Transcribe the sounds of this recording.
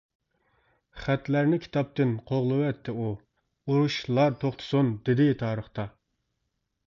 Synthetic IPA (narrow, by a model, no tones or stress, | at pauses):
χæt̪læɾnɪkʲʰi̥t̪ʰɑp̚t̪ɪnqʰoʁlˠɨwɛt̪ʰːɪu | uɾuʃlˠɑɾt̪ʰoχt̪ʰʊ̥sund̪ɪd̪ɪt̪ʰɑːɾəχt̪ɑ